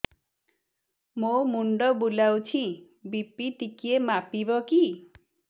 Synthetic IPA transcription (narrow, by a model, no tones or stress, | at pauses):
momuɳɖɔbulawt͡ʃʰi | bipiʈikiemapibɔki